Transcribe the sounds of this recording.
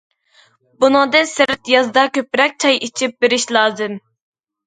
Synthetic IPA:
bunɨŋd̪ɨnsɪɾt̪jɑzd̪ɑkʲøpɾɛk̚ʲt͡ʃʰɑjit͡ʃʰip̚beɾiʃlˠɑːzɪm

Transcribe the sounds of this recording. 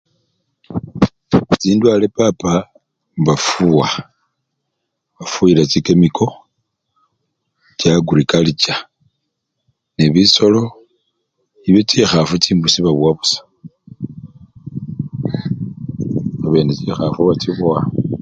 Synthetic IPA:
t͡siːndwalepapa | βafuwa | βafuilat͡sikemikʰo̞ | t͡ʃjaɡuɾikalit͡ʃa | neβiso̞lo̞ | iβet͡sixafut͡siːmbusiβaβwaβusḁ | aβe̞ːnet͡ʃixafuβat͡siβwa

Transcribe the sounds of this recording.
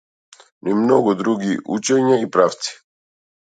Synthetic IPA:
niimnɔɡud̪ɾuɡiʔṵt͡ʃɛɲaipɾaft̪si̥

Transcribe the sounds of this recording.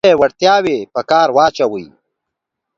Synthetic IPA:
ewaɽt̪jaːwepəkaːɾwaːt͡ʃawəj

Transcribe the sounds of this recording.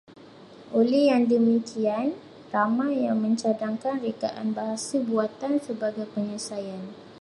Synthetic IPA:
ʔolɛhjaŋdəmikʰian | ramãjaŋmə̃ɲt͡ʃadaŋkanrekaʔa̰nbaɦasəbuat̪ansəbaɡajpəɲəsajan

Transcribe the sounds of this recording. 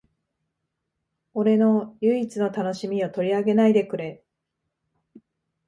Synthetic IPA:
o̞ɾe̞no̞jɯ̟it͡sɨno̞t̪ano̞ɕimʲio̞t̪o̞ɾʲiaɡe̞naid̪e̞kɯ̟ɾe

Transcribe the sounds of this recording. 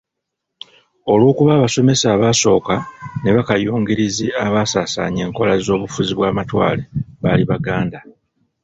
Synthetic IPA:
o̞lwuːkuβaːβaso̞me̞saːβaːso̞ːkane̞βakajuːŋɡiɾiziaβaːsaːsa̰ːɲe̞ːŋko̞lazo̞ːβufuziβwaːmatwa̰ːleβaliβaɡaːnda

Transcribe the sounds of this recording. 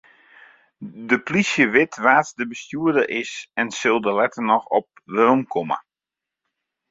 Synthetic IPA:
dəplisjəʋɪtʋaːtdəbəstjuədərʔɪsɛnsɪlˠdəlɛtərnɔxɔp̚ʋəɾomkʰɔmə̰

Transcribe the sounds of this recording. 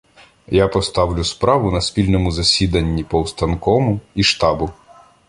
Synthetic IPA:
japɔst̪ɑwlʲʊspɾɑʋʊnɐspʲilʲnɔmʊzɐsʲid̪ɐnʲːipɔwst̪ɐnkɔmʊiʃt̪ɑbʊ

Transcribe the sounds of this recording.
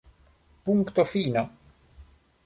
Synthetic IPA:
puŋkt̪ofiːna

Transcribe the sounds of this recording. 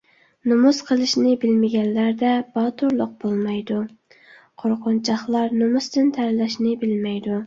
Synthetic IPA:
numusqʰəlˠɨʃnɪbɪlmɪɡʲɛnːæɾd̪ɛbɑt̪ʰuɾlˠʊq̚b̥olˠmɑjd̪u | qʰoɾqʰʊnt͡ʃʰɑχlˠɑɾnomust̪ɨnt̪ʰæɾlɛʃnɪbɪlmɛjd̪u

